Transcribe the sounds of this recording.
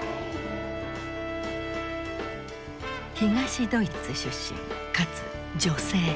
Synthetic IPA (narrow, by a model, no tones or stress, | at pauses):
çiɡaɕid̪o̞it͡sɨɕɨɕːḭ̃ŋkat͡sɨ | d͡ʑo̞se̞ː